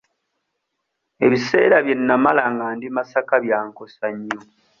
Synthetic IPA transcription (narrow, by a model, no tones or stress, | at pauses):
e̞βise̞̰ːɾaβje̞nːamalaŋɡaːndimasakaβjaːŋko̞saɲːo